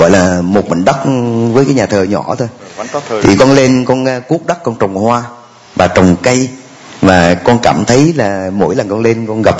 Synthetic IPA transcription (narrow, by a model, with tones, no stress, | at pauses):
ɣɔ̰˧˨jlaː˨˩mo˨˩t̚ɓə̰˧˨ŋ̟ɗə˦˥t̚vəː˨˦jkaː˨˦jɲaː˨˩t̪ʰəː˨˩ɲɔ̰˧˩t̪ʰo˧jt̪ʰi˨˩kɔ˧nle˧nkɔ˧n˧ku˦˥k͡p̚ɗə˦˥k̚kɔ˧nt͡ɕə˨˩wŋ͡mhwaː˧ | vaː˨˩t͡ɕə˨˩wŋ͡mkə˧j | maː˨˩kɔ˧nkaː˧˩mt̪ʰə˨˦jlaː˨˩mo̰˧˥jlə˨˩ŋkɔ˧nle˧nkɔ˧nɣa˨˩p̚